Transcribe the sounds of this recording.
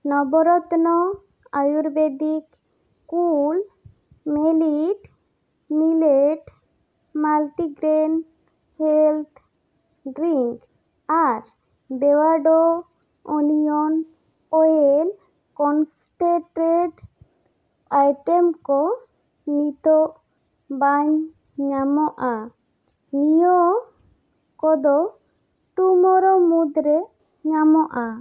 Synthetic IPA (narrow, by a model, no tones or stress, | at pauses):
nɔbɔɾɔt̪nɔ | ajuɾbed̪ik | kul | meliʈ | mileʈ | malʈiɡɾen | helt̪ʰ | ɖɾiŋk | aɾ | bewaɖo | unijɔn | ɔjel | kɔns | ʈeʈɾeʈ | ajʈɛmkɔ | nit̪ɔʔ | baɲ | ɲamɔʔa | nijɔ | kɔd̪ɔ | ʈumɔɾɔmud̪ɾɛ | ɲamɔʔa